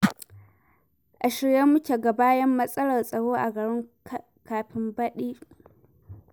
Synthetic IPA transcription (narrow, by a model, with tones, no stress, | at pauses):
ʔa˨ʃɪ˨ɽje˦mʊ˦kʲe˨ɡa˨baː˦jɐ˦mːɐ˦sʼɐ˦lɐ˨rsʼɐ˨ɽoː˦ʔa˨ɡɐ˨ɽɪ˦ŋ | kaː˨ɸɪ˦mbɐ˦ɗiː˦